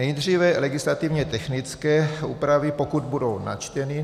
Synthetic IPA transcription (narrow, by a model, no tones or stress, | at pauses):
nɛjd̪r̝iːvɛlɛɡɪslat̪ivɲɛt̪ɛxnɪt͡skɛːṵːpɾavɪpokud̪̚budo̞wna̰t͡ʃt̪ɛnɪ